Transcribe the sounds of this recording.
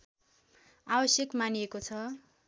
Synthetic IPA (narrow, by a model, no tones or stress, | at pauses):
abʌsjekmaniekot͡sʰʌ